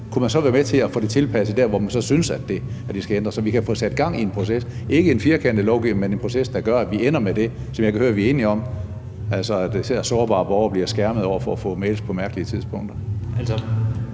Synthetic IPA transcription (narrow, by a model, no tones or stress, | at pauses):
kʰumænsɒ̽ʋæːɐmet͡sʰe̝æfo̰ːde̝t͡sʰe̝lpʰæsəd̥æɐ̰ʋɒmænsɒ̽synəsæd̥e̝æd̥esɡ̥æend̥ʁɐsɒ̽ʋikʰæfɔ̰̽ːsæd̥ɡ̥ɑ̈ŋ̰ie̝npʰʁo̝sesʔe̝ɡ̥əe̝nfiɐkʰen̰d̥əlɒʊɡiʋnmenenpʰʁo̝sesd̥ɑ̈ɡ̥ɶɐæʋien̰ɐmed̥e̝ | sɒ̽mjɪkʰæhøːɐʋiɐe̝ːniɒ̽m̰ | ælsɒæd̥seɐsɒːb̥ɑ̈ːb̥ɒʊɐb̥liɐsɡ̥æɐməð̩ˠɒʊ̰ɐfɒæfɔ̰̽ːmeːlspʰɒ̽mæɐɡ̥əliət͡sʰiðˠsb̥ʰɔ̽ŋ̰d̥ɐls